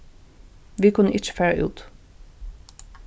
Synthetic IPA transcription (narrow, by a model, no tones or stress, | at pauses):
ʋiːkʰʉnəʔɪt͡ʃə̥fæːɹə̰ʔʉ̰ːt̪